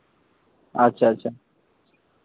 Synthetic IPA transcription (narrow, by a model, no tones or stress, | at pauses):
ɐtːɕʰaɐtːɕʰa